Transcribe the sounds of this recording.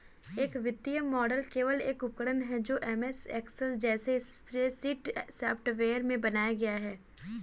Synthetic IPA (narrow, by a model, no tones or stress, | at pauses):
eːkʋɪt̪ːijəmɔːɖəlkeːʋəleːkʊpkəɽənɦɛd͡ʒoːʔɛmɛsɛ̰ːksɛsd͡ʒɛːseɪspɾesiːʈsɛːpʰʈʋeːəɾmẽbɐnaːjaɡɐjaɦɛː